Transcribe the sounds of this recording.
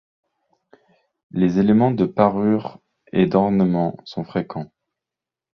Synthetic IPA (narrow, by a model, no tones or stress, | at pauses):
lezelemɑ̃d̪əpaʁyʁ | ed̪ɔʁnəmɑ̃sɔ̃fχekʰɑ̃